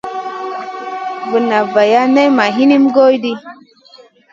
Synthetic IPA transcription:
və˨na˨va˨ja˦ne˦jma˨ɦi˦ni˦mɡo˦jdi˦

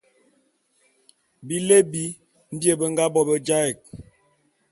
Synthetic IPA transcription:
bi˦le˦bi˦ | n̩˦dje˦˨bə˦ŋ̩˦ɡa˦bɔ˦bə˦d͡ʒa˦ɛ˨k̚

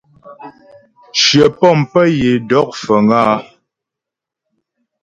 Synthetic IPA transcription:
ʃjə˨pɔ˦˨mpə˦je˨dɔ˦k̚fə˨ŋaː˦

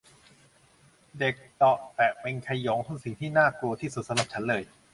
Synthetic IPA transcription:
de˨˩k̚t̪ɔ˨˩ʔt̪ɛ˨˩ʔpe˧nkʰa˧jɔː˩˦ŋt̪ʰɔ˧˥ŋsi˨˩ŋt̪ʰiː˥˩naː˥˩ku˧ɐt̪ʰiː˥˩su˨˩sa˧mɾa˨˩p̚t͡ɕʰa˦˥nlɤː˧j

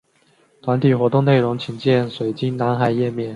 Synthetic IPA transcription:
t̪ʰwa˧˥nt̪ʰi˨˩xwɔ˧˥t̪ʊ˥˧ŋne˥˩ɪɻʊ˧˥ŋt͡ɕʰi˧˥ŋt͡ɕjɛ˥˩nswe˨˩ɪt͡ɕi˥ŋna˧˥nxa˨˩ɪjɛ˥˧mjɛ˥˩n

